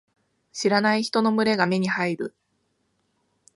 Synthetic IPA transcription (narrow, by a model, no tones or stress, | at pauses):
ɕiɾanaiçi̥t̪o̞no̞mɯ̟ɾe̞ɡame̞ɲ̟ihaiɾɯ̟